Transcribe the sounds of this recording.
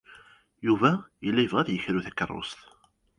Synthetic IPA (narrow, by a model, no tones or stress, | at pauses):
juvæjəlːæjəvʁæðjəçɾuθækːə̰rˤːo̰st̪